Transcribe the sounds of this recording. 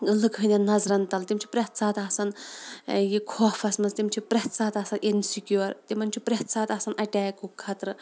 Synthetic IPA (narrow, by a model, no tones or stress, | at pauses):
lɨkʰɨnʲenɐzɾɐnt̪ɐlt̪ʲimt͡ʃʰi̥pɾʲɐht̪saːt̪aːsɐn | jikʰoːfɐsmɐnzt̪ʲimt͡ʃʰipɾʲɐht̪saːt̪ɐsɐnʔensikʲjoːɾt̪ʲimɐnʲt͡ʃʰipɾeht̪saːt̪ɐsɐnʔɐʈʲaːkukʰːɐt̪ɾɨ